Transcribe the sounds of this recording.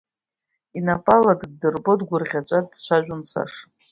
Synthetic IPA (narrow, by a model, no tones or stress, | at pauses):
inapʼaladɡdɨrbo̞dɡʷʊrʁʲat͡ʃʷʼadt͡ɕʷʰaʒᶣʷʊnsa̰ʂ